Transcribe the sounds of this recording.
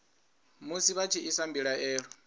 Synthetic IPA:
musiβat͡ʃʰiʔisambiɺaɛːɺɔ

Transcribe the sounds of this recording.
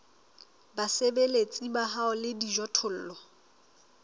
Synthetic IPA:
basebelet͡sʼibahaɔlɪdiʒɔtʰʊl̩ːlɔ

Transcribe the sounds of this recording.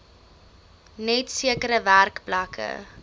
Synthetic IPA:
nɛtsiəkəɾəværkplakʰə̰

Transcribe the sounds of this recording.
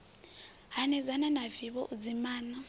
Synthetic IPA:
ɦanɛd͡zananaviβɔ̰ʔud͡zimaːna

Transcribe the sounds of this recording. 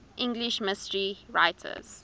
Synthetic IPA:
ʔɪ̃ŋɡliʃmɪstəɹiɹa̰ɪtʰə̰z̥

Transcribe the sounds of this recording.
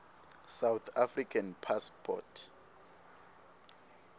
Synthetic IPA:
sawt̪ʰafrikʰanpʰaspʰɔ̰tʰ

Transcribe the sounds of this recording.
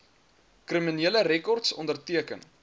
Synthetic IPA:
kriminiələrɛkɔrtsɔ̰ndərtiəkə̰n

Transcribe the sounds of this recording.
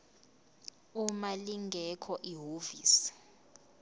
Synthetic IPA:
umaliŋɡʱɛkʰɔʔiɦoviːsi̥

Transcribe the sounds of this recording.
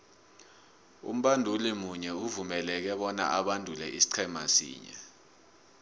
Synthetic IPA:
ṵm̩ɓandʱulimuɲɛuvumɛlɛk̬ɛɓɔna̰ʔaɓandʱulɛʔisi̥ǀʰɛmʱa̰sḭːɲɛ̰

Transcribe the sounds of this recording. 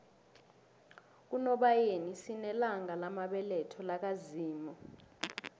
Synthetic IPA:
k̬unɔɓajenisinɛlaŋalamaɓɛlɛtʰɔlak̬aziːmɔ

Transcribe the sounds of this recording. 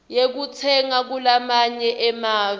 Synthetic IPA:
jek̬ut͡sʰɛŋak̬ulamaɲɛʔɛmaːvi

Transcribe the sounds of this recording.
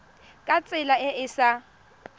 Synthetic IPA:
kʼat͡sʼɪlaɪʔɪsa

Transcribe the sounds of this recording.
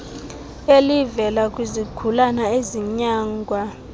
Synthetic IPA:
elivɛlakʼwizikʰulanaeziɲaːŋɡʱwa

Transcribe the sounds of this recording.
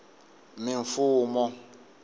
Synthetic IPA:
mɪɱfuːmɔ

